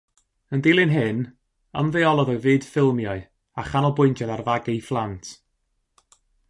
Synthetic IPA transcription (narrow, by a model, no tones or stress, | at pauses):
əndɪlˠɨnɦɨn | əmðeɔlˠɔðɔvɨːd̥fɪlˠmjɔɨ | aχanɔlˠbʊjntʰjaðarvaɡejflˠantʰ